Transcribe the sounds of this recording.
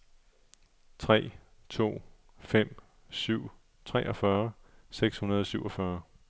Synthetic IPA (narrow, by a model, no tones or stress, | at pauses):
t͡sʰʁɛ̰ːt͡sʰo̝̰ː | fem̰ | syʊ̰ | t͡sʰʁɛʔɒ̽fɶɐseɡ̥shunɐð̞ˠɒsyʊɒfɶɐ